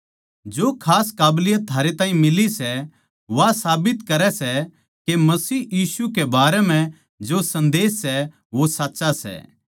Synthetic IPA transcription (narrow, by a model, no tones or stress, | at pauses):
d͡ʒoːkʰaːskaːblɪjat̪ʰaːɾet̪ãːĩmɪlisɛ | ʋasaːbɪt̪kɐɾɛsɛ | kemɐsiːjiːsukebaːɾɛmɛ̃ | d͡ʒosɐ̃nd̪eːsːɛ | ʋosatːʃasɛ̰ː